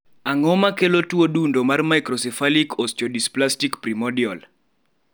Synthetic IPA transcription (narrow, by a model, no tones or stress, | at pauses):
aŋɔmakelotwodundomarmajkɾɔsɛfalikʰɔst͡ʃɔdisplastikpɾimɔdiɔl